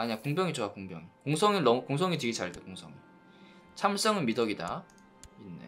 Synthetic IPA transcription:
aɲiɲakoŋbjʌŋit͡ɕowakoŋbjʌ̰ŋikoŋsʰʌŋinnʌmkoŋsʰʌŋit͡ɕeɡet͡ɕaɭdekoŋsʰʌŋi | t͡ɕʰamɭs͈ʌŋɯnmidʌɡida̰ | inːḛ

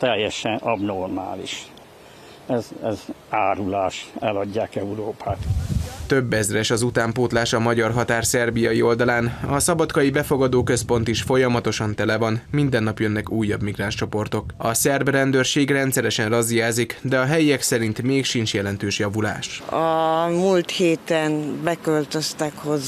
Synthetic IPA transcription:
t̪ɛjːɛʃɛnɒbnorma̰ːlḭʃ | ɛzɛz | aːɾulaːʃɛlɒɟːaːkɛuɾoːpʰaːt̪t̪ø̞bːɛzrɛʃɒzut̪aːmpoːt̪laːʃɒmɒɟɒrɦɒt̪aːrsɛrbijɒjio̞ld̪ɒlaːnɒsɒbɒt̪kɒjibɛfo̞ɡɒd̪oːkø̞spo̞n̪t̪iʃfo̞jɒmɒt̪o̞ʃɒnt̪ɛlɛvɒnmind̪ɛnːɒpjønːɛkuːjːɒbmiɡraːnʃt͡ʃo̞po̞rt̪o̞kɒsɛrbrɛnd̪ørʃeːɡrɛnt̪sɛɾɛʃɛnrɒzijaːzikd̪ɛɒɦɛjiɛksɛɾint̪meːkʃint͡ʃjɛlɛnt̪øːʃjɒvula̰ːʃɒmult̪heːt̪ɛnbɛkølt̪øst̪ɛkhoz

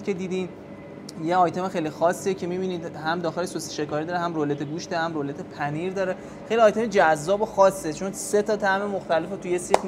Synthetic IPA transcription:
kʰe̞d̪iːd̪in | jeɒːjt̪ʰe̞mexejlixɒsːiecʰe̞mibiːniːd̪hæmd̪ɒːxelesose̥ʃe̞kɒːɾid̪ɒːɾeɦæmrolet̪ʰeɡuːʃd̪ɒɾehæmɾolet̪ʰepʰæniɾd̪ɒːɾe | xejliɒːjt̪ʰe̞med͡ʒæzːɒːboxɒsːet͡ʃʰo̞nse̞t̪ʰɒːt̪ʰæmemoxt̪ælefet̪ʰujesit̪

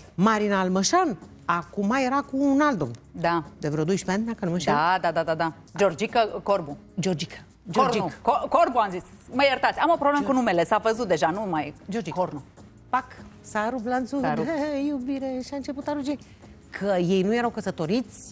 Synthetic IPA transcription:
maɾinaːlməʃan | akumaje̞ɾakuːnald̪omd̪ad̪evɾeod̪ojʃi̥peannakənuməʃad̪ad̪ad̪ad̪a | d͡ʒord͡ʒikəkorbu | d͡ʒord͡ʒikə̥ | d͡ʒood͡ʒikkokorbuamzis | məjəɾt̪at̪sʲamopɾobleməkunume̞lesavəzut̪̚d̪e̞ʒanumajd͡ʒord͡ʒikoɾnu | paksaɾublant̪suaɾjubiɾeʃiaɨnt͡ʃe̞put̪aɾud͡ʒi | kʰəje̞jnuje̞ɾawkəsət̪o̞ɾit̪sʲ

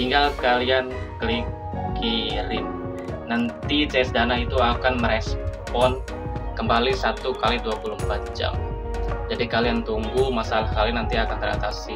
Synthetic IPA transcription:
t̪iŋɡalkalian | kliŋ | kʰiɾɪm | nant̪it͡ʃɛsdanait̪uakanməɾɛspɔn | kəmbalisat̪ukaliduapuluhəmpat̪̚d͡ʒa̰md͡ʒadikaliant̪uŋɡumasalakalinant̪iakant̪əɾa̰t̪asi

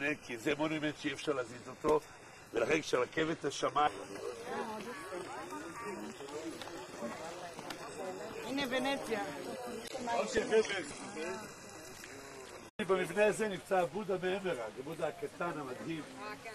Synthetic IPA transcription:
nekizemonemet̪ʃeiefʃaʁleazizot̪o̞ | velaχenkʃaʁlakevetaʃamaa | inevenet͡sja | okeveme | ibemivneazenimt͡saːbud̪ameemeʁaɡebud̪akat̪anamadhiv

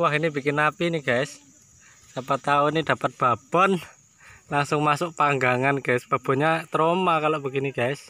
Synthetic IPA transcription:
waɦinib̥i̤kɪnapiniɡ̥aɪs | sapat̪aʊnid̪̥ä̤pət̪̚b̥a̤b̥ɔ̤n | laŋsʊŋmasʊʔ̚paŋɡaŋanɡ̥aɪsb̥a̤b̥ɔ̤ɲat̪ɾomakalɔʔb̥i̤kiniɡ̥aɪs

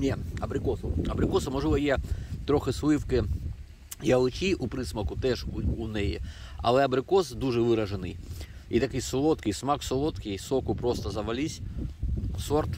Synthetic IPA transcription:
nʲeɐbɾʲɪkosʊɐbɾʲɪkosɐmɐʐulɐjɛt̪ɾʲoxɪslˠɨfkɪ | jɐlˠɪt͡ʃʲiʊpɾɨsmɐkʊt̪ɛʂunɛjɪ̰ɐ̰lˠɛɐbɾɪkɔsd̪uʐɛʋɨɾɐʐɪnɨjit̪ɐkɨjsʊlˠɔt̪kɪjsmaksʊlˠot̪kʲɪjsɔkʊpɾost̪ɐzɐʋɐlʲisʲ | sɔrt̪

